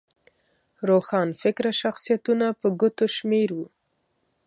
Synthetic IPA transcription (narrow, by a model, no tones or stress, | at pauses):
ɾoxɑnfɪkɾaʃaxsijat̪unapəɡʊt̪oʃmeɾwu